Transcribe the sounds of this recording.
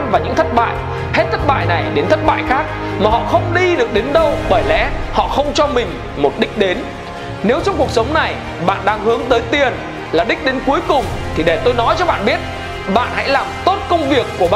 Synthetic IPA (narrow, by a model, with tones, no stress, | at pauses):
nvaː˨˩ɲɨ̰˧˥ŋt̪ʰə˦˥t̚ɓa̰ː˧˨j | he˦˥t̚t̪ʰə˦˥t̚ɓa̰ː˧˨jna˨˩jɗe˨˦nt̪ʰə˦˥t̚ɓa̰ː˧˨jxaː˦˥k̚ | maː˨˩ɦɔ̰˧˨xə˧wŋ͡mɗi˧ɗɨ˨˩ək̚ɗe˨˦nɗə˧wɓəː˧˩jlɛ̰˧˥hɔ̰˧˨xə˧wŋ͡mt͡ɕɔ˧mï˨˩ŋ̟ | mo˨˩t̚ɗï˦˥k̟̚ɗe˨˦n | ne˨˦wt͡ɕɔ˧wŋ͡mku˨˩ək̚sə˨˦wŋ͡mna˨˩j | ɓa̰ː˧˨nɗaː˧ŋhɨ˨˦əŋt̪əː˨˦jt̪i˨˩ən | laː˨˩ɗï̟˦˥ɗe˨˦nku˨˦əjkʊ˨˩ŋ͡mt̪ʰi˨˩ɗe˧˩t̪o˧jnɔ˨˦jt͡ɕɔ˧ɓa̰ː˧˨nɓi˦˥ət̚ | ɓa̰ː˧˨nha̰˧˥jlaː˨˩mt̪o˦˥t̚kə˧wŋ͡mvi˨˩əkːu˧˩əɓa˨